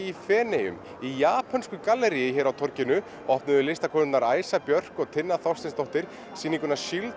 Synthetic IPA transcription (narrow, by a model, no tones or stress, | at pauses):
ifɛːnɛjʏ̰m | ijaːpʰanskʏkalːɛɾijɪçɛːɾawt̪ʰɔɾcɪnʏ | ɔhpnʏðʏlɪst̪akʰɔnt̪naɾaːjsapjœr̥kɔɣt̪ʰɪnːaθɔwst̪ɪnst̪owht̪ɪɾ̥ | siːniŋkʏnḁʃil